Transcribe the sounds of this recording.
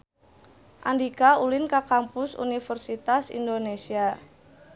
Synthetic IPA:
ʔa̰ndikaulɪnkakampʊsṵnifərsit̪asḭndonesia

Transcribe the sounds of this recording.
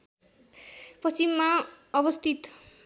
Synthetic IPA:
prʌst͡simːa | ʌbʌst̪ʰit̪

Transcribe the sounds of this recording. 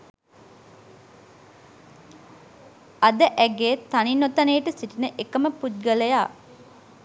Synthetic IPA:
ɐd̪əʔæɡeːt̪aninːot̪ɐneːʈəsiʈinəʔekəməput̪̚ɡəlejaː

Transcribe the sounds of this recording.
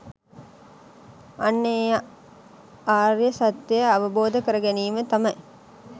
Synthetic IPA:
ɐnːeaʔ | aːɾjəsɐt̪ːejəɐʋəboːd̪əkəɾɐɡæniːmət̪ɐmɐj

